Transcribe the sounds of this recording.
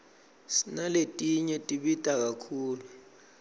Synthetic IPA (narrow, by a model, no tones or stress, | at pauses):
sinaletʼiɲɛtʼiɓitʼak̬akʰuːlu